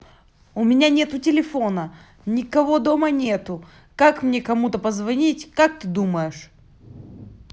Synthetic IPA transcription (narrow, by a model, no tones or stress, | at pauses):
ʊmʲɪnʲanʲe̞t̪ʊtʲɪlʲɪfo̞nə | nʲɪkɐvo̞d̪o̞mənʲet̪ʊ | kakmnʲe̞kɐmut̪əpəzvɐnʲitʲkak̚t̪ɨd̪uməjɪʂ